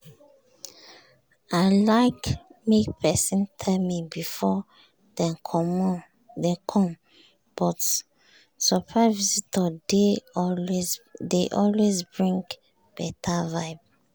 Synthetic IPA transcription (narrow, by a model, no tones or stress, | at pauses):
aɪlaɪkmek̚pʰɛsĩntʰɛmibifɔ | d̥ɛ̃nkʰɔm | dekʰɔ̃m | b̥ɔt | supʰɹavizitʰɔde | deʔɔlwezbɹĩŋɡ | b̥ɛtʰavaɪb